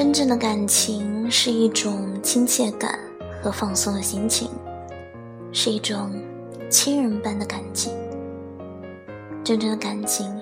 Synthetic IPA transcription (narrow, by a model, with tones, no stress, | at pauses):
ʈ͡ʂə˥nʈ͡ʂɤ˥˩ŋd̪ə˩ka˨˩nt͡ɕʰi˧˥ŋʂɻ̩˥˧i˥˩ʈ͡ʂʊ˨˩ŋt͡ɕʰi˥ŋt͡ɕʰjɛ˥˩k̪a̰˨˩˦n | xɤ˧˥fɑ˥˧ŋsʊ˥˩d̪ə˨˩ɕi˧˥ŋt͡ɕʰḭ˧˩˦ŋ | ʂɻ̩˥˧i˥˩ʈ͡ʂʊ˨˩ŋ | t͡ɕʰi˥nɻə˧˥npa˥˩nd̪ə˨ka˨˩nt͡ɕʰi˧˥ŋ | ʈ͡ʂə˥nʈ͡ʂɤ˥˩ŋd̪ə˩ka˨˩nt͡ɕʰi˧˥ŋ